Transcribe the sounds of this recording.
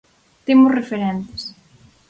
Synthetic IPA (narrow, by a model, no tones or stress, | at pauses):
t̪emʊsrefeɾɛnt̪e̥s